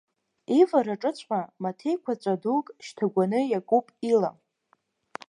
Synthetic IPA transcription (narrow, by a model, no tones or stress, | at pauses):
ivaɾaʈ͡ʂʼɨt͡ɕʷʰʼħamatʰe̞jkʷʰat͡sʷʼadukʼʃtʰaɡʷanɨjakʼupʼila̰